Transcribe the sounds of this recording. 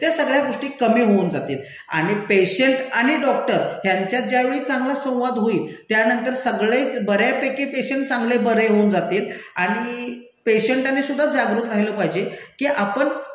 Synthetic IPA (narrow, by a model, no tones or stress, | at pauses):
t̪jasəɡɭjaɡoʂʈiːkəmiːɦound͡zat̪iːl | a̰ɽ̃ipeɕeɳʈaɽ̃iɖɔkʈəɾɦjaɲt͡ɕjat̪̚d͡ʑjaʋeɭiːt͡saŋɡlasə̃w̃ʋad̪ɦoiːlt̪janənt̪əɾsəɡɭet͡sbəɾjapekepeɕeɳʈ̚t͡sãŋɡlebəɾeɦound͡zat̪iːlaɽ̃i | peɕəɳʈanesud̪ʱːad͡zaɡɾut̪ɾaɦiləːpaɦid͡ʑekiːʔapəɳ